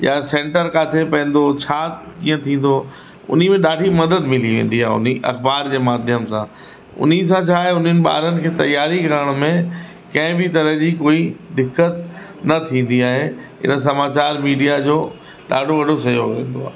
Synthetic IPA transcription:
jasẽːɳʈəɾkaːt̪ʰepɐ̃ɦɪ̃n̆d̪ot͡ɕʰaːkĩːə̃t̪ʰĩːn̆d̪o | ʊ̰n̤imẽɗaːɖʱimɐd̪əd̪mɪliʋẽːnd̪iaːɦʊ̰niʔɐ̰xbaːɾd͡ʑeːmaːd̪ʱjəmsãː | ʊ̰nis̬ãt͡ɕʰaːɦeʊn̤ənɪ̆ɓa̰ːɾənɪ̆kʰeːt̪ɐjaːɾikɐɾəɽ̃mẽ | kɐ̃ɦɪ̃bɪt̪ɐɾəɦd͡ʑiːkoːid̪ɪkːət̪̚ | nɐt̪ʰĩːn̆d̪iaːɦe | ɪ̰nə̆s̬ɐmaːt͡ɕaːɾmiːɖijad͡ʑoː | ɗa̰ːɖʱoʋɐɖʱosɐjokɐɾḛ̃ːnd̪oa̰ːɦ

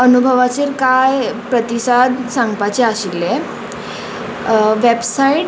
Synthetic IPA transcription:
ənubʱəʋat͡ɕiːɾkajpɾət̪isad̪sãŋɡpat͡ɕeaɕilːe | ʋebsaiʈ

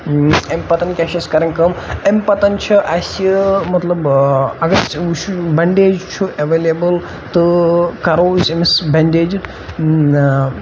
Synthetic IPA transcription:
empɐt̪ɐnkʲɐʃɐskɐɾɐŋkɐmempɐt̪ɐnt͡ʃʰɐʔɐsjəmɐt̪lɐbɐɡɐɾuʃubɐɳɖeːd͡ʒt͡ʃʰuʔɐʋelɐbəl | t̪ɨkɐɾoːisemisbɐɳɖeːd͡ʒ̪

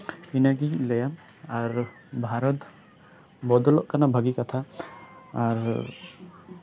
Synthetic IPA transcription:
inaɡilɛja | aɾ | bʱaɾɔt̪ | bɔd̪ɔlɔʔkanabʱaɡikat̪ʰaː | ɾ

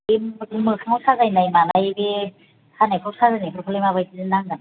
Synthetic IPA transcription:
emɯmɯkʰaŋɯwsazajnajmanajbe | sʰanajkʰɯwsazajnipɯɾpʰɯlajmaβajkʰizɯnaŋdan

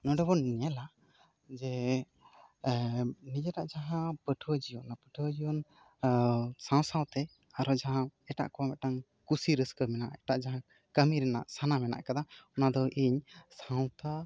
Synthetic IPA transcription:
nɔɖɛbɔnːɛla | d͡ʒɛ | nid͡ʒɛtaʔd͡ʒaɦãpəʈʰɔd͡ʒijɔnapəʈʰɔd͡ʒijɔn | sãw̃sãw̃t̪ɛ | aɾɔd͡ʒaɦãɛʈa̰ʔkɔamɛʔʈaŋ | kusiɾəskəmɛna̰ʔɛʈaʔd͡ʒaɦã | kəmiɾɛna̰ʔsanamɛna̰ʔkad̪aɔnad̪ɔʔiɲsaw̃t̪a

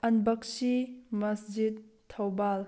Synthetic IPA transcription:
ʔɐnbɐk̚simɐsd͡ʒit̪̚tʰːɐwbal

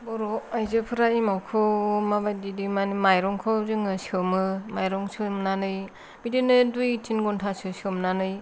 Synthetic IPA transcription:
bɔɾɔajzɯpʰɯɾaimawkʰɯmabadidimanimajɾɔŋkʰɯwzɯŋɯsiɯmɯmajɾɔŋsmnanɯj | bidinɯdujtinɡɔntʰasɯsiomnanɯj

